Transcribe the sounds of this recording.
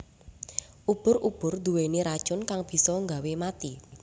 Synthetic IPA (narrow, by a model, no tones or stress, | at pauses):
ʔub̥ʊ̤ɾʔub̥ʊrd̪uweniɾad̥ʒ̥ʊnkaŋb̥i̤sɔŋɡawemat̪i